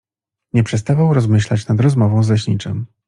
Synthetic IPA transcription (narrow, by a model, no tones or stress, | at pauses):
ɲɛpʂɛst̪avawɾɔzmɘɕlat͡ɕnad̪ɾɔzmɔvɔ̃w̃zlɛɕɲḭt͡ʂɛm